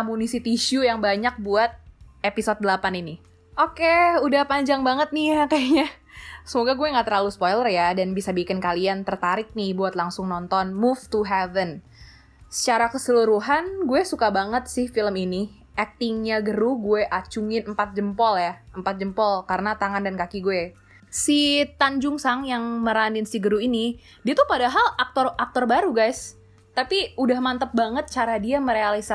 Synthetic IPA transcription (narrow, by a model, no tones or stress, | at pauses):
amunisit̪iʃujaŋbaɲak̚buat̪̚episod̪̚dəlapanini | ʔokeudahpaɲd͡ʒaŋbaŋət̪̚nɪakaɲa | səmoɡaɡuɛŋɡat̪ərlalusə̥pɔjlərjadanbisabikɪnkaliant̪ərt̪aɾɪk̚nɪhbuat̪laŋsʊŋnɔnt̪ɔnmuft̪uɦɛvən | sə̥t͡ʃaɾakəsəluɾuɦanɡuɛsukabaŋət̪̚sɪhfiləmini | ʔɛk̚t̪ɪŋɲaɡəɾuɡueʔat͡ʃuŋɪnəmpat̪̚d͡ʒəmpɔljaəmpat̪̚d͡ʒəmpɔlkaɾənat̪aŋandankakiɡue | sit̪aɲd͡ʒʊŋsaŋjaŋməɾaninsiɡəɾuini | diat̪upadaɦalak̚t̪ɔrak̚t̪ɔrbaɾuɡajs | t̪apiudahmant̪əp̚baŋət̪̚t͡ʃaɾadiaməɾealisa